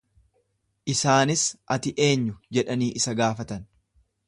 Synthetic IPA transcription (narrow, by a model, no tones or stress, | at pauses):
ʔɪsaːnɪsʔɐt̪ɪʔe̞ːɲːʊd͡ʒɛᶑɐniːʔɪsɐɡaːfɐt̪ɐn